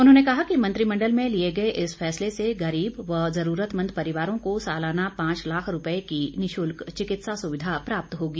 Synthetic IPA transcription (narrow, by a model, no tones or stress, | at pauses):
ʊnɦõːnekɐɦakimɐ̃nt̪ɾimɐ̃ɳɖəlmẽlieɡɐeʔɪsfɛːsleseɡɐɾiːbʋɐzɐɾuːɾət̪mɐ̃nd̪̚pɐɾɪʋaːɾõkosaːlaːnapãːt͡ʃlaːkʰɾʊpəekinɪʃʊlkt͡ʃɪkɪt̪sasʊʋɪd̪ʱapɾaːp̚t̪ɦoːɡiː